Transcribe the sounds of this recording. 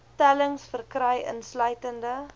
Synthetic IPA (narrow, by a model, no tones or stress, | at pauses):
tæləŋsfərkrɛjʔə̰nslœɥtəndə